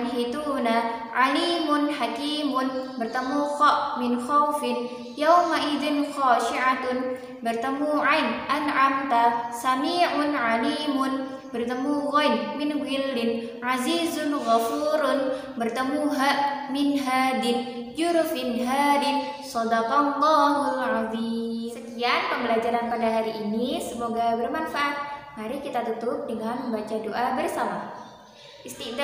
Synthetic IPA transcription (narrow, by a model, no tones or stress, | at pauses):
nhit̪uːnaʕaliːmʊnħakiːmʊnbɪrt̪amuxamɪnxawfɪn | jawmaʔɪd̪ɪnxaːʃɪʕat̪ʊn | bɪrt̪amuʕajnʔanʕamt̪asamiːʕʊnʕaliːmʊn | bɪrt̪amuɣajnmɪnwɪldɪn | ʕaziːzʊnɣafuɾʊn | bərt̪əmuɦaʔmɪnɦadɪnd͡ʒuɾʊfɪnnɦadɪnsɑdaqɑnt̪ɔɦuʕavisəkianpəmbəlad͡ʒaɾankadaɦaɾiʔːnisəmoɡabərmanfaʔat̪̚ŋaɾikit̪at̪ut̪ʊp̚dəŋanməmbat͡ʃadoʔabərsama | ʔɪst̪ɪʔd